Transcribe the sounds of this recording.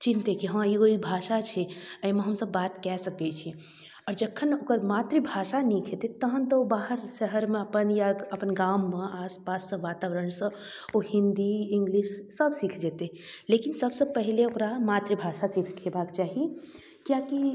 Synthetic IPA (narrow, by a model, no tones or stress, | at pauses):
t͡ʃint̪ekiɦə̃iɡoibʱaʃat͡ʃʰɛəimeɦəmsəbːat̪kɛsəkɛt͡ʃʰi | ɔːɾd͡ʒəkʰːənokəɾmat̪ɾibʱaʃanikʰet̪et̪əɦənt̪əobaɦəɾsəɦəɾmeəpənjaəpənɡamːeaspasːə̃ʋat̪aʋəɾənsə̃ | ohind̪iiŋɡliʃːəbsikʰd͡ʒet̪e | lekinsəbsəpəɦileokɾamat̪ɾibʱaʃasit̪ʰkʰebakt͡ʃaɦi | kjaki